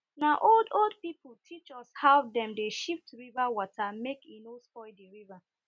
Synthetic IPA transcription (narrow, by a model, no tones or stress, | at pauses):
naʔoldold̚pipl̩ˠtʰit͡ʃɔshawdɛ̃mdeʃiftɹivawɔtʰamekinosfɔɪdiɹiva